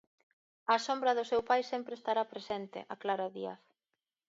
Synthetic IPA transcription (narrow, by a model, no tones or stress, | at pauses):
asombɾɐðʊsewpajsempɾeːst̪aɾapɾesent̪ɪ̰ʔaklaɾaðia̰θ